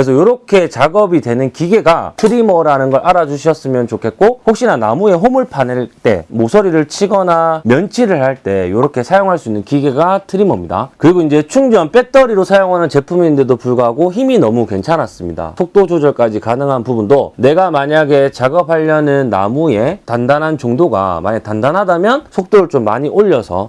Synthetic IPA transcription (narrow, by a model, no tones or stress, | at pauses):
ɾes̬ʰʌjoɾʌkʰe̞t͡ɕaɡʌbidwe̞nɯnkiɡe̞ɡa̰tʰɯɾimʌɾanɯnɡʌɾʔaɾad͡ʑuɕʰiʌs͈ɯmjʌnt͡ɕokʰe̞k͈ohok̚ɕ͈inana̰mue̞ɦomuɭpʰaneɭt͈e̞̰mosʰʌɾiɾɯɭt͡ɕʰiɡʌnamjʌnt͡ɕʰiɾɯɭhaɭt͈e̞joɾʌkʰe̞sʰajoŋɦaɭs͈uinːɯnkiɡe̞ɡatʰɯɾimʌmɲida̰kɯɾiɡoind͡ʑe̞t͡ɕʰuŋd͡ʑʌnp͈e̞t͈ʌɾiɾosʰajoŋɦanɯnt͡ɕe̞pʰumiindedopuɭɡaɦaɡoçiminʌmuke̞nt͡ɕʰanɦas͈ɯmɲida̰sʰok̚t͈od͡ʑod͡ʑʌɭk͈ad͡ʑikanɯŋɦanpubundone̞ɡamaɲaɡe̞t͡ɕaɡʌp̚ʰaʎːʌnɯnːa̰mue̞tandanɦant͡ɕoŋdoɡa̰ma̰ɲetandanɦadamjʌnsʰok̚t͈oɾɯɭt͡ɕomːaɲiʔoʎːʌsʰʌ̰